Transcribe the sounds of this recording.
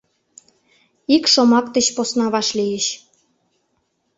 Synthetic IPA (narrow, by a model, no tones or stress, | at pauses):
ikʃomɑkt̪ə̆ɕposnɑβɑʃlijeɕ